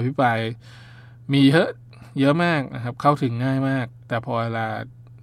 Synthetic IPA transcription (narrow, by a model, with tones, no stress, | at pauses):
pʰi˦˥pɾaː˧j | miː˧jɤ˦˥ʔ | jɤ˦˥ʔmaː˥˩k̚na̰˧kʰa˦˥p̚kʰa˥˩wt̪ʰɯ˩˦ŋːaː˥˩jmaː˥˩k̚t̪ɛː˨˩pʰɔː˧eː˧laː˧